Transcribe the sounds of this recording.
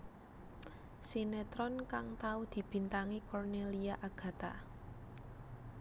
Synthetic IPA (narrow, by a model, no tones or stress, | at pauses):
sinet̪ɾɔnkaŋt̪aud̪̥i̤b̥i̤nt̪aŋikɔrneliaʔaɡ̥ä̤t̪a̰